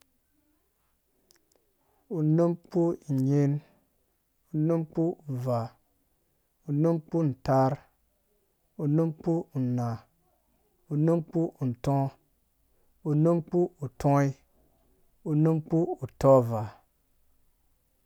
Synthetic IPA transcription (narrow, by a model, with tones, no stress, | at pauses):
u˨nu˦mk͡pu˦˨ɲe˦n | u˨nu˦mk͡pu˦˨va˨ | u˨nu˦mk͡pu˦˨n̩˨ta˦ɾ | u˨nu˦mk͡pu˦u˨na˨ | u˨nu˦mk͡pu˦u˨n̩˨tɔ̃˦ | u˨nu˦mk͡pu˦u˨tɔ̃˦i˦ | u˨nu˦mk͡pu˦u˨tɔ˦va˨